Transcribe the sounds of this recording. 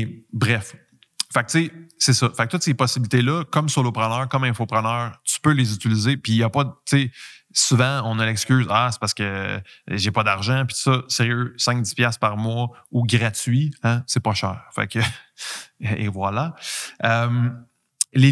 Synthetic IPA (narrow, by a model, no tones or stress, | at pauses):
bʁɛf | fak̚t̪sesɛsʌfak̚t̪ʊt̪sepɔsibilit̪elʌkʌmsolopχənœːʁkʌmɛ̃fopχənœːʁt͡sy̥pølezyt͡silizepijapʌt̪t͡se | suvãɔ̃nəlɛkskʲyːzase̥paʁsə̥kə | ʒepʌd̪aʁʒãpit̪u̥sʌseʁjøsɛ̃ŋk̚d̪i̥spjaspaʁmwauɡʁat͡sɥiãsɛpʌʃɛːʁfa̰kə | ḛvwalaœm | le